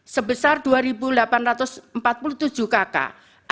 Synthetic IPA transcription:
səbəsard̪̥uaɾibulapanrat̪ʊsmpat̪̚puluht̪ud̥d͡ʒ̥ṳkaka̰ | ʔ

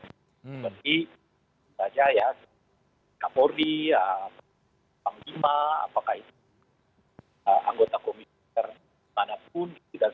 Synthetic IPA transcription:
bərt̪i | sad͡ʒajas | kapoɾiəm | paŋlimaa̰pakahit̪u | əʔa̰ŋɡot̪akomi | ər | manap̚ʊnida

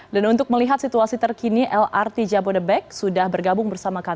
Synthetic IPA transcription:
danunt̪ʊk̚məliɦat̪sit̪uasit̪ərkiniʔɛlʔart̪id͡ʒabodəbɛk̚sudahbərɡabʊŋbərsamaka

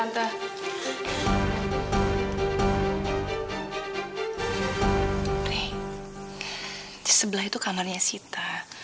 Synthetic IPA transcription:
ant̪a | ɾɛh | səbəlaɦit̪ukamarɲasit̪a

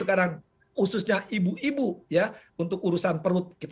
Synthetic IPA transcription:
əkaɾaŋ | husʊsɲaʔibuibujaunt̪ʊk̚uɾusanpəɾʊt̪̚kit̪

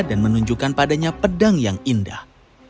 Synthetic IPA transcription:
danmənuɲd͡ʒukanpadaɲapədaŋjaŋindah

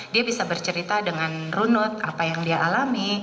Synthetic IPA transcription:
diabisabərt͡ʃəɾit̪adəŋanrunʊt̪̚apajaŋdiaʔalami

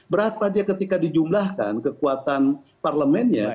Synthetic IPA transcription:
bəɾapadiakət̪ikadid͡ʒumlahka̰nkəkuat̪an | parləmɛnɲa̰

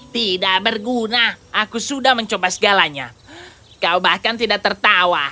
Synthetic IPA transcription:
t̪idaʔbərɡunaakusudahməɲt͡ʃobasəɡalaɲa | kaubahkant̪idak̚t̪ərt̪awa

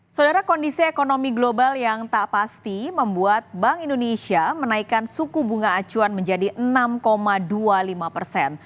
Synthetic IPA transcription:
sawdaɾakɔndisiekonomiɡlobaljaŋt̪aʔpast̪iməmbuat̪̚baŋindonesiamənaikansukubuŋaːt͡ʃuanməɲd͡ʒadiʔənamkomadualimapərsɛn

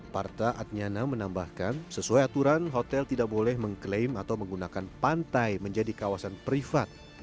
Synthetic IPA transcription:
part̪aʔat̪̚ɲanamənambahkansəsuajat̪uɾanɦot̪ɛlt̪idak̚bolɛhməŋklejmat̪awməŋɡunakanpant̪ajməɲd͡ʒadikawasanpɾifat̪̚

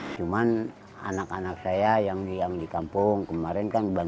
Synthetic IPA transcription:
t͡ʃuman | a̰nakanak̚sajajaŋijaŋdikampuŋkəmaɾɛnkanba

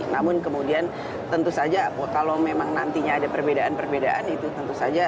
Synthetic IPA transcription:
namʊnkəmudian | t̪ənt̪usad͡ʒakalomemaŋnant̪iɲaːdapərbedaʔanpərbedaʔanit̪ut̪ənt̪usad͡ʒa

